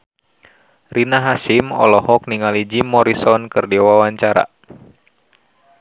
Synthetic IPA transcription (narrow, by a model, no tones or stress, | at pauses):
rinaɦasimɔ̰lɔhɔk̚niŋalid͡ʒimːɔɾisɔnkɨrdiwawaɲt͡ʃaɾa̰